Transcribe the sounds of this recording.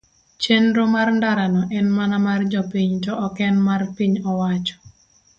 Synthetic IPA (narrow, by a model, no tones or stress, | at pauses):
t͡ʃenɾomarndaɾanɔʔɛnmanamard͡ʒɔpiɲtɔʔɔkɛnmarpiɲɔwat͡ʃɔ̥